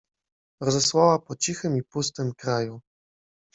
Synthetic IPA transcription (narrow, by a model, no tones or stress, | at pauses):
ɾɔzɛswawapɔt͡ɕixɘmipust̪ɘmkɾaju